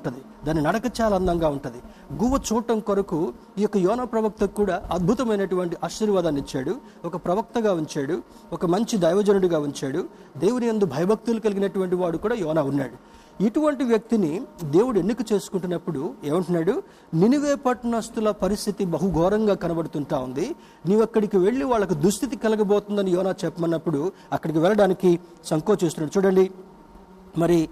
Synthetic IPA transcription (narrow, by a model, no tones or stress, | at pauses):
ɳʈund̪i | d̪aːnːinɐɽɐkɐt͡ʃaːlaːnd̪ɐŋɡaːuɳʈund̪i | ɡuʋɐt͡ʃuːʈːɐmkoɾɐku | iːjɔkːɐjɔːnaːpɾɐʋɐk̚t̪ɐkːuːɽaːʔɐd̪̚bʱut̪ɐmɐjnɐʈuʋɐɳʈiʔaːʃiːɾʋaːd̪aːnit͡ʃːaːɽu | ɔkɐpɾɐʋɐk̚t̪ɐɡaːuɲt͡ʃaːɽu | ɔkɐmɐɲt͡ʃid̪ɐjʋɐd͡ʒɐnuɽuɡaːuɲt͡ʃaːɽu | d̪e̞ːwunijɐnd̪ubʱɐjɐbʱɐk̚t̪ulukɐliɡinɐʈuʋɐɳʈiʋaːɽukuːɽaːjɔːnaːunːa̰ːɽu | iʈuʋɐɳʈiʋjɐk̚t̪inid̪e̞ːwuɽuenːikut͡ʃe̞ːsu̥kuɳʈunːɐpːuɽueːʋɐɳʈunaːɽu | niniʋɛːpɐʈnɐst̪ulɐpɐɾist̪ʰit̪ibɐɦuɡʱɔːɾɐŋɡaːkɐnɐbɐɽut̪uɳʈaːund̪i | niːʋɐkːɐɽikiʋe̞ɭːiʋaːɭːɐk̬ud̪ust̪ʰit̪ikɛlɐkɐbɔːt̪und̪ɐnijɔːnaːt͡ʃɛpːɐmɐnːɐpːuɽu | ɐkːɐɽikiʋɛlːɐɽaːniki | sɐŋkɔːt͡ʃest̪unaːɽut͡ʃuːɽɐɳɖi | mɐɾi